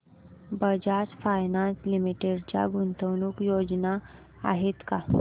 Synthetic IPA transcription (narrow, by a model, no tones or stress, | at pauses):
bəd͡ʑasfajnanslimiʈeɖt͡ɕja̰ɡʱunt̪əwnuːkjod͡ʑna | a̰ɦet̪ka